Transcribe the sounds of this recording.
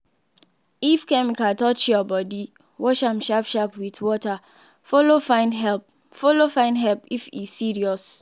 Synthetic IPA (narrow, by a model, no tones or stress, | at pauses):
ifkɛmikatɔt͡ʃiɔbɔdi | wɔʃam̩ʃapʃapwitwɔta | folofãɪ̃ndɦɛp | folofãɪ̃ndɦɛlpifḭsːiɹiɔs